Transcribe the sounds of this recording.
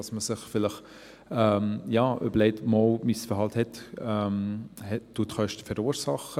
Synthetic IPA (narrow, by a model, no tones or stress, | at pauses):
ɑsməsɪχfɪlɪχ | ɛmjɑːʔø̰bəɾleɪtmɔlmisfəɾɦɑlthɛtɛmhɛ̥ːuːətχœʃtə̥fɛɾuːɾsɑχə